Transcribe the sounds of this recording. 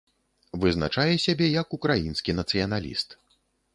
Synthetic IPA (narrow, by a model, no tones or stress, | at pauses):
vɨzna̰t͡ʂajɛsʲabʲɛjɐkukɾajinskʲinɐt̪sɨjɐnalʲḭst̪